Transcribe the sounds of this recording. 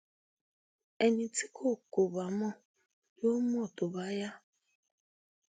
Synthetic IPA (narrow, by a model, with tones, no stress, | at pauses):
e˨ni˨ti˦kʰo˦ko˨ba˨mɔ˦ | jo˦m˦ɔ˦˨tʊ˨ba˦ja˦